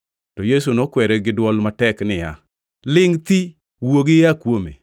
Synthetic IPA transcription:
tɔjes̬unokwɛɾɛɡɪdwɔlmatɛknɪja̰ | lɪŋt̪i | woɡɪjakwomḛ

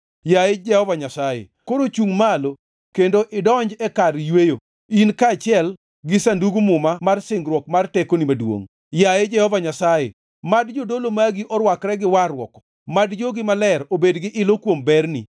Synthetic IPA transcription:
jajed͡ʒɛhɔvaɲasajḛ | koɾot͡ʃuŋmalo | kendoʔɪdɔɲd͡ʒɛkaɾjwejo | inkat͡ʃɪɛl | ɡɪsanduɡumʊmamarsɪŋɡɾwɔkmartekonimadwo̰ŋ | jajed͡ʒɛhɔvaɲasajḛ | madd͡ʒodolomaɡiʔɔɾwakɾɛɡɪwarwɔ̰kɔ̥ | madd͡ʒoɡɪmalɛɾobedɡɪʔɪlokwombɛrnḭ

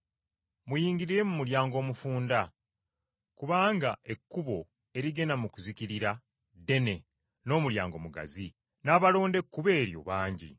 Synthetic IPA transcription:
mujiːŋɟiɾiɾe̞mumuljaːŋɡo̞ːmufuːnda | kuβaːŋɡaʔe̞kːuβo̞ | e̞ɾiɡe̞namukuziciɾiɾa | de̞ne̞ | no̞ːmulja̰ːŋɡo̞̰muɡa̰zi | naːβalo̞ːnde̞kːuβe̞ːɾjo̞̰βaːɲɟḭ

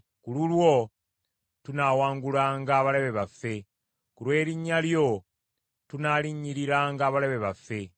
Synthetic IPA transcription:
kululwo̞ | tunaːwaːŋɡulaːŋɡaːβaleβe̞βafe̞ | kulwe̞ːɾiɲːaljo̞ | tunaliɲiɾiɾaːŋɡaːβaleβe̞βafːe̞

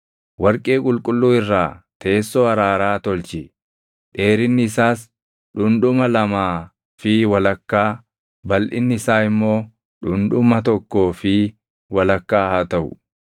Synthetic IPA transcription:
wɐɾkʼeːkʼʊlkʼʊlːuːɪrːaːt̪ʰeːsːoːɐɾaːɾaːt̪ɔlt͡ʃɪ | ᶑe̞ːɾɪnːɪːsaːs | ɗʊnᶑʊmɐlɐmaː | fɪwɐlɐkːaː | bɐlʔɪ̰nːɪɪsaːɪmːo̞ː | ᶑʊnᶑʊmɐt̪ɔkːo̞ːfɪ | wɐlɐkːaːhaːt̪ɐʔʊ̰

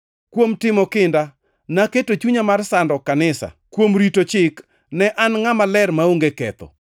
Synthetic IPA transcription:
kwomtɪmɔkɪnda | naketot͡ʃuɲamarsandɔkanɪsa̰kwomɾitot͡ʃɪk | nɛʔanŋamalɛrmaoŋɡekɛ̰t̪ɔ̰

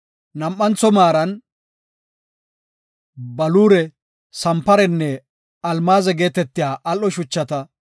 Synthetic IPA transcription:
nɐmʔːɐnt͡sɔmaːɾɐn | bɐluːɾɛ | sɐmpɐɾɛnːɛ | ɐlmaːzɛɡe̞ːt̪ɛt̪ːɪjaːʔɐlːɔʃʊt͡ʃːɐt̪ɐ

